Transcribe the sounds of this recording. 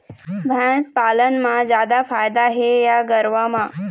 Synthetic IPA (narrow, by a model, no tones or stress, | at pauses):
bʱɛ̃spalənmãd͡ʑjaːd̪afaːjd̪aɦejaɡəɾʋamã